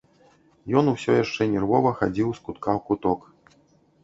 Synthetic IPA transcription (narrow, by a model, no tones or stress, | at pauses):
jɔnusʲɔjaʂt͡ʂɛnʲɛrvɔvɐxad͡zʲiwskut̪kawkut̪ɔk